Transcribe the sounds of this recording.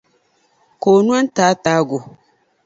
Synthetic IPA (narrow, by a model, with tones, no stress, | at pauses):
koː˨nũ˦a˦n˦taː˨˦taː˨˦ɡʊ˨